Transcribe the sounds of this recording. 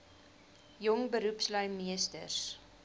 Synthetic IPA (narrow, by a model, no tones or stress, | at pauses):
jɔŋbəɾupslœjmiəstə̰rs